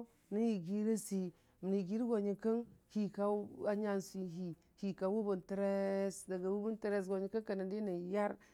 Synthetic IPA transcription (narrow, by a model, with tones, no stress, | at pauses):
ni˦ji˨ɡi˦ɾa˦si˨ | m˨ni˨ɡi˦ɾɡo˨ɲi˨kə˦ŋhi˨ka˦a˦ɲa˦nsu˨i˦ɦi˨ | hi˨ka˨wu˦bu˨ntɾe˦sda˨ɡa˨wu˦bu˦n˦tɾe˦s̬ɡo˨ɲi˨ka˦ŋka˨na˨di˦na˨ja˦ɾ